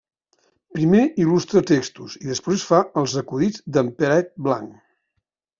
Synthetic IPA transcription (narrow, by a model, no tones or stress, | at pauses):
pɾimeilust̪ɾət̪ekst̪uziðəspɾesfaəlˠzəkuðid͡zd̪əmpəɾɛt̪̚bla̰ŋ